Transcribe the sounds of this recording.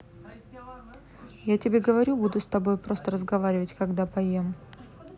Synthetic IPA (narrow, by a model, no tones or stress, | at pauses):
jatʲɪbʲeɡəvɐɾʲubud̪ʊst̪ɐbo̞jpɾo̞st̪əɾəzɡɐvaɾʲɪvətʲkɐɡd̪apɐjem